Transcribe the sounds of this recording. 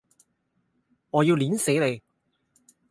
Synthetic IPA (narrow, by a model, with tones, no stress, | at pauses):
ŋɔː˨˧jiː˧wliː˨˥nse˨˥jle˨˧j